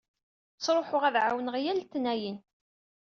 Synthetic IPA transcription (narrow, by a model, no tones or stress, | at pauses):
sˤɾˤoħʊʁæðʕawənʁjælt̪ːnæjin